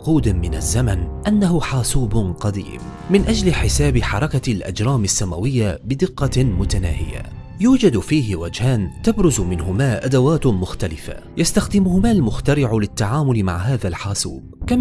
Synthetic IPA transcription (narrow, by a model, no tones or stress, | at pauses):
quːd̪ɪmɪna̰zːamanʔanːaɦʊħaːsuːbqɑd̪ḭːm | mɪnʔad͡ʒlɪħɪsaːbɪħɑɾˤɑkalʔa̰d͡ʒɾˤɑːmasːamawɪjːabɪd̪ɪqːɑmʊt̪ana̰ːhɪ̰ja̰ | juːd͡ʒad̪fiːɦɪwad͡ʒhaːnt̪abɾʊzmɪnɦʊmaːʔad̪awaːt̪mʊxt̪alɪfa̰jast̪axd̪ɪmʊhʊmaːlmʊxt̪aɾɪʕlɪt̪ːaʕaːmʊlɪma̰ʕɦaːðalħaːsṵːbka